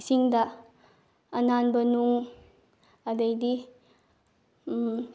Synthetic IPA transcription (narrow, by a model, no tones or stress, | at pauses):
siŋdɐ | ɐnanbɐnuŋ | ɐdɐjdi